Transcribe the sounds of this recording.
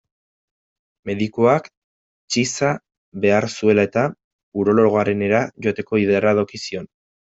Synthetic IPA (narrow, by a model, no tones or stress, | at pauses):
me̞ðikoak | t͡ʃisa | βe̞aɾsue̞lae̞t̪a | uɾo̞lo̞ɣ̞o̞aɾe̞ne̞ɾaʝoat̪e̞ko̞iðeɾaðo̞kisio̞n